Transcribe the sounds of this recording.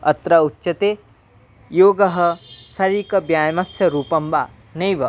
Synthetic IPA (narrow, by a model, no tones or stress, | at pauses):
ɐt̪ɾɐutːʃɐt̪eː | joːɡɐɦɐ̆sɐɾiːkɐbjaːjmɐsjɐɾuːpɐmbaː | nɐjʋɐ